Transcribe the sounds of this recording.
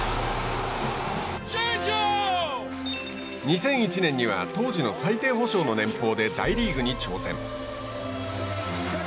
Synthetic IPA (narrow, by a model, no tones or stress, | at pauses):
o | ɲ̟isẽ̞ɰ̃it͡ɕinẽ̞ɲ̟ːiβa̰t̪o̞ːʑino̞sait̪e̞ːɦo̞ɕo̞ːno̞nẽ̞mpo̞ːd̪e̞d̪aiɾʲiːɡɯ̟ɲ̟it͡ɕo̞ːsẽ̞ŋ̃